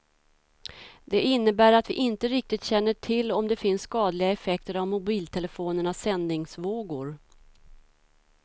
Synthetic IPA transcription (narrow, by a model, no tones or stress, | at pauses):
d̪ɛɪnːəbæːɾat̪vɪʔɪnt̪əɾɪk̚t̪ɪt̪ɕɛnːəʈʰɪlːɔmd̪ɛfɪnsːkɑːd̪lɪɡaɛfɛk̚t̪əɾavmʊbiːlt̪ʰɛləfoːnəɳasːɛnd̪nɪŋsvoːɡʊɾ